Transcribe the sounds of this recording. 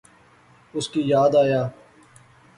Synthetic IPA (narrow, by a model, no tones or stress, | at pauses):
ʊskiːjaːd̪aːjaː